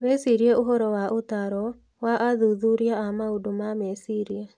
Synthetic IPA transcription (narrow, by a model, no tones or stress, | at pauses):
βesiɾiɛoɦɔɾɔwaʔotaɾɔ | waʔaðuðuɾiaamaodomamɛsiɾia